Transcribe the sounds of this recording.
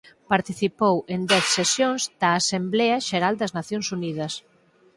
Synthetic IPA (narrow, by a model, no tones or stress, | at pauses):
paɾt̪iθipowend̪ɛθsesjoŋzd̪̥ɐːsemblɛɐʃeɾald̪ɐznaθjoŋsunið̞ɐs